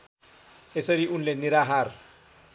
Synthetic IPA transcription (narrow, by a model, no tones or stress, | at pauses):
eseɾiʔunleniɾaɦaɾ